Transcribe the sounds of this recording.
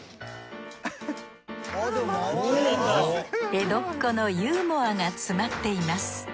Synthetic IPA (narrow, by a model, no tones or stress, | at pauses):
e̞d̪o̞kːono̞jɯːmo̞aŋat͡sɨmat̪ːe̞imasɨ̥